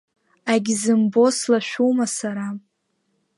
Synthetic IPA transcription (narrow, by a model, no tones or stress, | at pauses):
aɡʲzɨmbo̞slaʃʷᶣumasaɾa